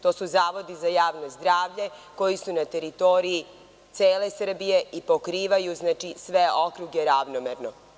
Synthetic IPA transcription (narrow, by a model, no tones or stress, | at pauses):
t̪o̞ːsuzaːʋo̞d̪izajaːʋnozd̪ɾaːʋʎe̞ko̞jisunat̪e̞ɾit̪o̞ɾii | t̪seːle̞sr̩bije̞ipo̞kɾiːʋajuznaːt͡ʃisʋeo̞kɾuɡeɾaʋnomeɾno̞